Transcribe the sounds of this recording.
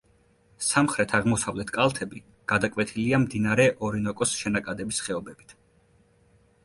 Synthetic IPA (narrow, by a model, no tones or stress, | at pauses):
samχɾɛt̪ʰaʁmɔsavlɛt̪ʰkʼalˠt̪ʰɛbi | ɡ̥ad̪akʼwɛt̪ʰiliamd̪inaɾɛʔɔɾinɔkʼɔsʃɛnakʼad̪ɛbisχɛɔbɛbit̪ʰ